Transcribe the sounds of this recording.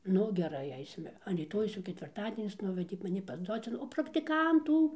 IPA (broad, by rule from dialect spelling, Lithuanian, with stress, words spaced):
ˈnʊ ɡʲɛˈrɐɪ ˈɐɪsʲɪmʲɛ ɐn rʲiːˈtoːjɛʊs jɛʊ kʲɛtʲʋʲɪrˈtɑːdʲiɛnʲɪs ˈnʊʋʲɛdʲeː mɐˈnʲɪ pɐs ˈdoːt͡sʲɛn oː prɐktʲɪˈkɐntuː